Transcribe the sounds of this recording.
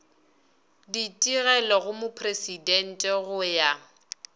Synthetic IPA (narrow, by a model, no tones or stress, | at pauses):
ditʼiɣɛlɔɣʊmʊpʰresidɛn̩tʼɛɣʊja